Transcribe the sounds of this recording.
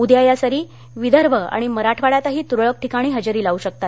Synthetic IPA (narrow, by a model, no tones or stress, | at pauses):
ud̪jajasəɾiː | ʋid̪əɾʋʱəa̰ɽ̃iməɾaʈʰʋaɭjat̪aɦiːt̪uɾɭək̚ʈʰikaɽ̃iːɦəd͡ʑəɾiːlauɕək̚t̪at̪